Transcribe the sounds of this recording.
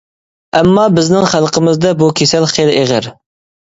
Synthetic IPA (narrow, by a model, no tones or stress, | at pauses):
ɛmːɑbɪznɪŋχælˠqəmɪzd̪ɛbukʲʰesælχeleʁɪɾ